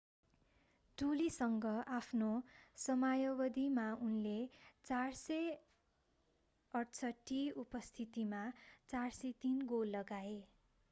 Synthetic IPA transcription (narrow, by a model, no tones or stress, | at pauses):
ʈulisʌŋɡʌʔapʰnosʌmajʌbʌd̪imaunlet͡sarsʌj | ʌʈsʌʈʰːiupʌst̪ʰit̪imat͡sarsʌt̪inɡolːʌɡae